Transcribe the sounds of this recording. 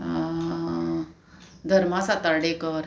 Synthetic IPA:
d̪ʱəɾmasat̪əɽekəɾ

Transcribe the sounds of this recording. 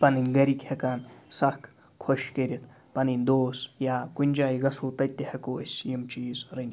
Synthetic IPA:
pɐninɡɐɾikhɐkaːnsɐhkʰ | kʰoʃkeɾʲit̪ʰ | pɐnind̪oːsjaːkunʲd͡ʒaːjɣɐsuːt̪ɐt̪ːehɐkoːɐsʲjimt͡ʃiːzɾɨnʲ

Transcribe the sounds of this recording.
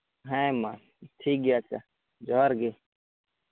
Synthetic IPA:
ɦãmãː | t̪ʰiːk̚ɡjaːt͡ʃa | d͡ʒoːɾɡeː

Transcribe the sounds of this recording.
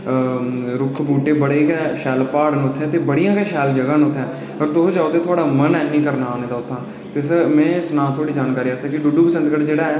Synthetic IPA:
ɾʊkʰːbuːʈeːbəɽeːkɛːʃɛːlpaːɽnʊt̪ʰːɛ̃ːt̪eːbəɽijãːkɛːʃɛːld͡ʒəɡãːnʊt̪ʰːɛ̃ː | ɔɾt̪od͡ʒaːot̪eːt̪ʰʊaːɽaːmənɛːnĩːkəɾnaːneːd̪aːʊt̪ʰːãː | t̪esəmɛ̃ːsənãːt̪ʰːoːɽiːd͡ʒaːnkaːɾiːaːst̪ɛːkɪɖʊɖuːpəsə̃nd̪ɡəʈd͡ʒeːɽaːɛː

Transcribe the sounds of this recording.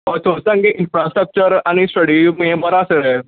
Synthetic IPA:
ɔtʰosə̃ŋɡeʔɪ̃nfɾaːsʈɾək̚t͡ʃəɾanisʈɐɽimẽbɐɾaːseɾɛ

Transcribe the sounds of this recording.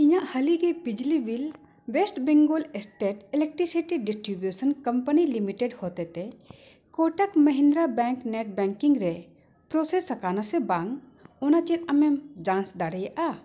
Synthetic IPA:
iɲaʔhɐliɡɛbid͡ʒlibil | wesʈbeŋɡolɛsʈeʈɛlek̚ʈɾisiʈiɖisʈɾibjusənkɐmpənilimiʈeɖhot̪ɛt̪ɛ | koʈəkmɐɦĩnd̪ɾabɛ̃ŋkneʈ̚bɛ̃ŋkiŋɾɛ | pɾosesɐkanasɛbaŋ | ɔnat͡ʃit̪ɐmɛd͡ʒãnsd̪aɽɛjaʔa

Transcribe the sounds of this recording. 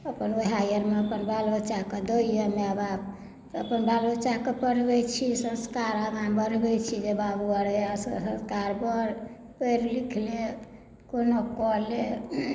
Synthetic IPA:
əpənoɦajəɾmeəpənbalot͡ʃaked̪oijəmeəba | əpənbalot͡ʃaɦkepəɾbɛt͡ʃʰisə̃nskaɾəɡambəɾbɛt͡ʃʰid͡ʒebabuəɾeassə̃skaɾbəɾ | pəɾlikʰle | konokɔɦle

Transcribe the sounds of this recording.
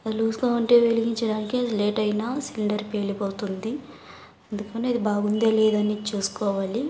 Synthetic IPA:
ɐluːsukoːuɳʈe̞ːʋeliɡiɲt͡ʃɐɽaːnikisle̞ːʈɐjnaːsiliɳɖɐɾpe̞ːlipoːt̪und̪i | end̪ukɐneɐd̪ibaːɡund̪eːleːd̪ɐnit͡ʃuːsu̥kɔːʋaːli

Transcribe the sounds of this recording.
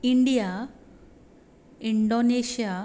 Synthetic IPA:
iɳɖija | iɳɖoneɕija

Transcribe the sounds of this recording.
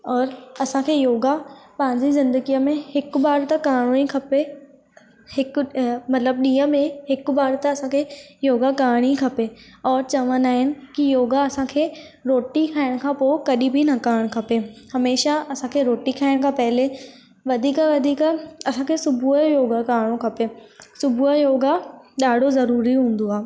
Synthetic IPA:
ɔːɾɐsãkʰeːjoːɡapɐ̃ɦɪ̃ɲd͡ʑizɪ̃nd̪əɡijəmẽhɪkɓaːɾt̪ɐkaːɽĩkʰɐpe | hɪkmɐt̪ləb̚ɗiːə̃mẽɦɪkbaːɾt̪ɐɐsãkʰeːjoːɡakaːɽ̃ikʰɐpeɔːɾt͡ɕɐʋənaːɦɪnɪ̆kijoːɡaɐsãkʰeːɾoːʈikʰaːɪɽ̃kʰãpoːkɐɗibʱinɐkaːɽ̃kʰɐpehɐmeːʃaɐsãkʰeɾoːʈikʰaːɪɽ̃kʰãːpɐɦɪle | ʋɐd̪ʱiːkaʋɐd̪ʱiːkɐsãkʰesʊbʱuəjoːɡakaːɽ̃õkʰɐpesʊbʱuəjoːɡaɗaːɖ̤ʱozɐɾuːɾiɦũːn̆d̪oaː

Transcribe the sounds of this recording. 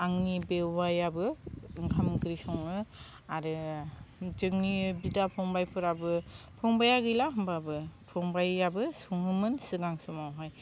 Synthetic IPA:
aŋnibewajabɯɯŋkʰamkɯɾisɔŋɯ | aɾɯ | d͡ʒɯŋnibidapʰɔŋbajpʰɯɾabɯpʰɔŋbajaɡɯjlaɦɯmbabɯpʰɔŋbajabɯsuŋhɯmɯnsɯɡaŋsumawɦaj

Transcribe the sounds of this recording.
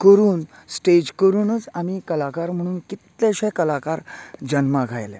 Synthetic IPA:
kəɾuːn | sʈed͡ʑkəɾuːnət͡samikəlakaɾm̤əɽ̃uːnkit̪lẽɕɛ̃kəlakaɾd͡ʑənmaɡʱa̰jlḛ̃

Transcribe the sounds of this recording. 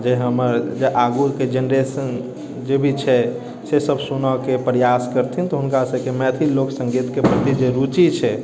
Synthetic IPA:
d͡ʒeɦəməɾd͡ʒeʔaɡuked͡ʒenɾesən | d͡ʒebʱit͡ʃʰɛ | sesəbʱsunɔkepɾjaskəɾt̪ʰint̪ɔɦunkasəkemɛət̪ʰiloksəŋɡit̪kepɾət̪id͡ʒeɾut͡ʃit͡ʃʰɛ

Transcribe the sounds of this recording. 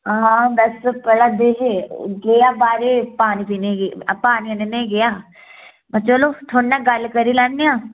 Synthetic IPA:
ɦaːbɐspəɽad̪eːɦeɡejabaːɾepaːnipiːneɡpaːniɐnenẽɡɐjaː | mt͡ʃəlot̪ʰonːaɡɐlkəɾilanːijãː

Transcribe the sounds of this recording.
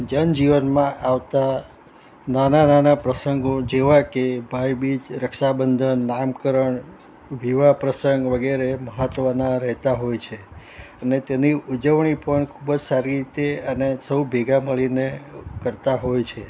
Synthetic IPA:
d͡ʒənd͡ʒiʋənmãʔaʋt̪a | nanananapɾəsəŋɡod͡ʒeʋakebʱajbid͡ʒɾəkʃabənd̪ʱənːamkəɾəɳ | ʋiʋapɾəsəŋɡʋəɡeɾeməɦət̪ʋənaɾəɦt̪aɦojt͡ʃʰe | ənet̪eniud͡ʒəʋɳipəɳkʰubəd͡ʒsaɾiɾit̪eənesəwbʱeɡaməɭinekəɾt̪aɦojt͡ʃʰe

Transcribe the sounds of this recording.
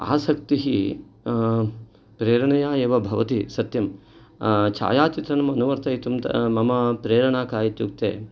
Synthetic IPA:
a̰ːsɐkt̪iɦi | pɾeːɾɐɳɐjaːeːʋɐbʱɐʋɐt̪isɐt̪jɐm | t͡ʃʰa̰ːjaːt͡ʃit̪ɾɐnɐmɐnuʋɐɾt̪ʰɐit̪umt̪ɐ̰mɐmɐpɾeːɾɐɳaːkaːjit̪juk̚t̪ḛː

